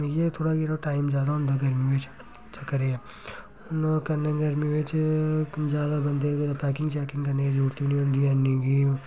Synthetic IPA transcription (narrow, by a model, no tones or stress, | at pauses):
jet̪ʰoːɽaɡiɾoʈaːɪmd͡ʒjaːd̪aʊnd̪aɡɐɾmiʋet͡ʃ | t͡ʃɐkːɐɾee | ʊnkɐɾnẽɡɐɾmiʋeːt͡ʃ | d͡ʒjaːd̪abɐnd̪et̪oɾapɛːkɪ̃ŋɡt͡ʃɛːkɪ̃ŋɡkɐɾneɡid͡ʒuːɾt̪ibnĩʊ̃nd̪iɐnːeɡi